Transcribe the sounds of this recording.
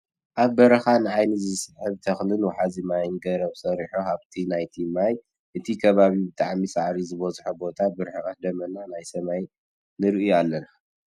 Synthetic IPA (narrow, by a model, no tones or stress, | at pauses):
ʔaβbɐɾɐxanɨʕajnizɨsɨħɨβt̪ʰɐxlɨnwɔħazimajnɡɐɾɐβsɐɾiħoaβt̪ʰinajt̪ʰimaj | ʔɨt̪ʰikʰɐβaβibɨt̪ʼaʕmisaʕɾizɨβɐzħobo̞t̪ʰabɨɾħɨkat̪d̪ɐmɐnanajsɐmaj | nɨɾɨʔɨjalːɐna